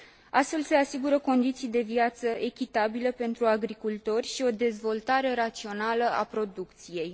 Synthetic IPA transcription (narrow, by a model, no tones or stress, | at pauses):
ast̪fe̞lse̞asiɡuɾəko̞nd̪it̪sijd̪e̞viat̪səʔe̞kʲit̪abiləpe̞nt̪ɾuaɡɾikult̪o̞rʲʃio̞d̪e̞zvo̞lt̪aɾe̞ɾat̪sio̞naləa̰pɾo̞d̪ukt̪sije̞j